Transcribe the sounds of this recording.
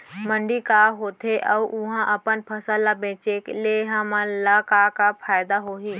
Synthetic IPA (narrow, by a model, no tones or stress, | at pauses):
mə̃ɳɖikaɦoːt̪ʰeʔəuʔʊɦãʔɐpənpʰəsəlːabẽːt͡ʃekleːɦãmãlakakapʰaːɪd̪aɦoːɦiː